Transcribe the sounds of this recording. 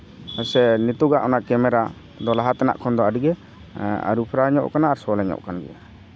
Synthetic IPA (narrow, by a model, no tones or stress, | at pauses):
ɔsɛnit̪uɡaʔɔnaʔkɛmɛɾa | d̪ɔlaɦat̪ɛna̰ʔkʰɔnd̪ɔaɖiɡɛ | a̰ɾupʰɾaɲɔ̰ʔkanaːɾsɔlɛɲɔ̰ʔkanɡɛ̰ʔa